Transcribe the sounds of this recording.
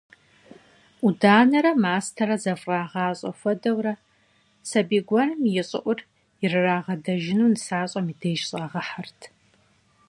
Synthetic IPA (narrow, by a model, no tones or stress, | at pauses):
udaːnɐɾɐmaːstʰɐrɐzɐfʼrɑːʁaːɕʼɐ̰fʷɔdɐwrɐ | sɐbiːɡʷɔnɨmjɪɕʼɪ̰ʔʷʊr | jɪrɨraːʁɐdɐʒɪnuːnɨsaːɕʼɐmiːdeːjʃɕʼaːʁɐħartʰ